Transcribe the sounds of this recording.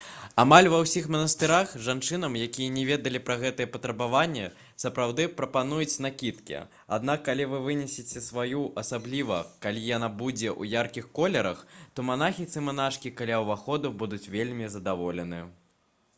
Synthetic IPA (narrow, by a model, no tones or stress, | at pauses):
amalʲvɐwsʲixmɐnɐst̪ɨɾaxʐant͡ʂɨnɐmjakʲijɛnʲɛvʲɛd̪ɐlʲipɾɐɣɛt̪ɨjɛpɐt̪ɾɐbavanʲːɛ | sɐpɾawd̪ɨpɾɐpanujut͡sʲnakʲit̪kʲḭ | a̰d̪nakːalʲivɨvɨnʲɛsʲet͡sʲɛsvajuʔɐsablʲivɐ̰kalʲijanabud͡zʲɛʔṵjarkʲixkɔlʲɛɾɐxt̪ɔmanaxʲit̪sɨmanaʂkʲikalʲawvaxɔd̪ubud̪ut͡sʲvʲelʲmʲizɐd̪avɔlʲɛnɨ